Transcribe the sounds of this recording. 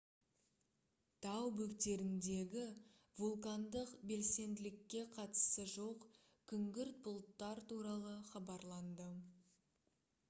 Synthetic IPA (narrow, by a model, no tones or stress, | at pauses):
t̪ʰɑwbɵkt̪e̞ɾɪnd̪e̞ɡʲɪ | vulˠkand̪əqbe̞lse̞nd̪ɪlɪkʲːe̞qʰɑt̪ə̥səʒo̞q | kʲʰʏŋɡʲɪɾt̪̚bʊlˠt̪ːɑɾt̪uɾɑlˠəχɑbɑɾlˠɑnd̪ə